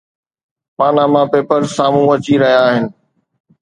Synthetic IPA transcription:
paːnamãpeːpəɾsaːmũɐt͡ɕiɾɐɦijaːɦɪnɪ̆

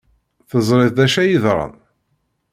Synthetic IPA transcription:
θəzˤɾˤɪðd̪æʃæjiðɾˤɑ̰n

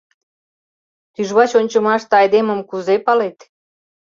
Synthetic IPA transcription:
t̪yʒβɑt͡ɕonʲt͡ɕəmɑʃt̪ɤɑjd̪eməmkuzepɑlet̪

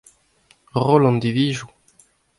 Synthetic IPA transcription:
ʁɔlɑ̃nd̪iviʒu

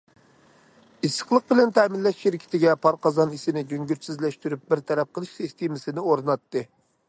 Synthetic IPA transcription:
isːə̥χlˠəq̚bɪlɛnt̪ʰɛmɪnlːɛʃʃɪɾɪkʲʰɪ̥t̪ʰɪɡʲɛpʰɑɾqɑzɑnisɪnɪɡʲøŋɡʲyɾsɪzlɛʃt̪yɾyp̚bɪɾt̪ʰɛɾɛp̚qʰəlˠɨʃsɪst̪emɪsɪnɪoɾɨnɑt̪ːɨ

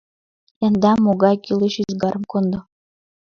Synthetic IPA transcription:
æ̆nd̪ɑmoɣɑjkileɕyzɡɑɾɤ̆mkond̪ɤ̆

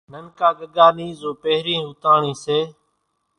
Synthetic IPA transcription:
nənkaːɡəɠaːniːzoːpeɦɾĩːɦʊt̪aːɳĩːseː

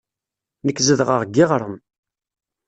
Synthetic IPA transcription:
nəkːzəðʁəʁɡːɪʁɾˤəm

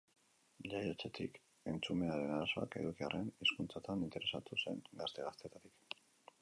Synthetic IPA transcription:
ʎajot͡set̪ik | e̞nt͡sume̞aɾe̞naɾaso̞a̰ke̞̰ðukiare̞niskunt͡sat̪anint̪e̞ɾe̞sat̪use̞̰ŋɡast̪e̞ɣast̪et̪at̪ik

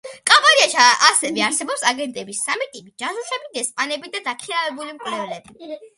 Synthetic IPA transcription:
kʼabaɾiat͡ʃʰaasɛvɛaɾsɛbɔpsaɡɛnt̪ʼɛbisːamit̪ʼipʼid͡ʒasaɛbiɡɛspʼanɛbid̪ad̪akʰiavɛbulimkʼlɛvlɛbi

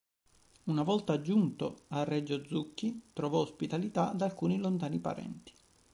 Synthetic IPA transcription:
unavɔlt̪aːd͡ʒːunt̪oarːɛd͡ʒːod̪zːukːit̪ɾovɔospit̪alit̪ad̪alkuːnilont̪aːnipa̰ɾɛ̰nt̪i̥

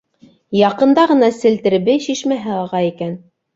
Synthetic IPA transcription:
jɑqɤ̆nd̪ɑʁɤ̆nɑsɘ̆lt̪ɘ̆ɾβɘɕiʃmæɦɘɑlˠʁɑikæn

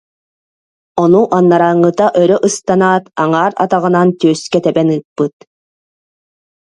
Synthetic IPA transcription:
ɔnuʔanːaɾaːŋːɯt̪aʔœɾœʔɯst̪anaːt̪aŋaːɾa̰t̪aʁɯ̆nant̪yːskɛt̪ɛbɛnɯːpːɯt̪

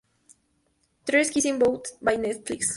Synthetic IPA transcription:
t̪ɾɛskisĩmbolt̪bajnɛt̪fliks

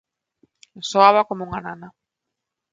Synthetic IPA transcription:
soaβakomouŋanana

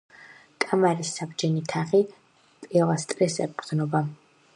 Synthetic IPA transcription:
kʼamaɾisːabd͡ʒɛnit̪ʰaχi | pʼɛlˠast̪ʼɾɛsɛ̰bkʼɾd̪znɔba

